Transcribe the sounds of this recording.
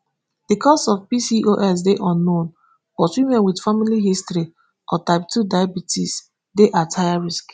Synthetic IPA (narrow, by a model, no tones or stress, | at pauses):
d̥ikʰɔstɔvpisiʔoʔɛs̬deʔɔ̃nːõn | wɔswimɛ̃nwidfamiliɦistɾi | ʔɔtaɪp̚tudajabitis | deʔatʰaɪjaɹisk